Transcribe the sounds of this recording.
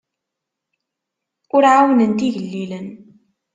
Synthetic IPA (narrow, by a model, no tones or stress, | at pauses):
ʊɾʕawnənt̪iʝəlːilən